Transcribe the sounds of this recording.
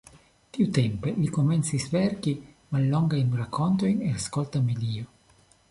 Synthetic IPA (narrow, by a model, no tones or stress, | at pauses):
t̪iut̪ɛmpelikoment̪sisvɛrki | malːɔŋɡajnrakʰːont̪ojneaskolt̪amiliːo